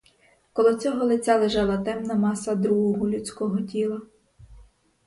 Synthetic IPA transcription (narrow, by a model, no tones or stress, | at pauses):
kɔlˠɔt͡sʲɔɦɔlˠɪt͡sʲalˠeʒɑlˠɐt̪ɛmnɐmɑsɐd̪ɾuɦʊɦʊlʲut͡sʲkɔɦɔtʲilˠɐ